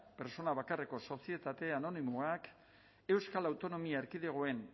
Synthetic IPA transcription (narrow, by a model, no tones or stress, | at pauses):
pe̞ɾso̞naβakareko̞so̞sie̞t̪at̪e̞ano̞nimoak | e̞wskalawt̪o̞no̞miaeɾkiðeɣ̞oe̞n